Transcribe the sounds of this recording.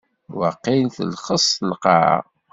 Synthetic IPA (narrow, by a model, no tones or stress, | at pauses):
wəqːinθə̰lχəsˤəlqɑ̰